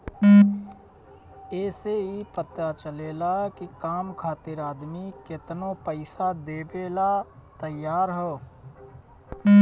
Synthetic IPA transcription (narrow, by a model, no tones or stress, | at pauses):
eːseɦipət̪at͡ʃəleːlaɛkikaːmkʰaːt̪iɾaːd̪mikɪt̪nopəɪsad̪eːbeːlat̪əjaːɾɦoː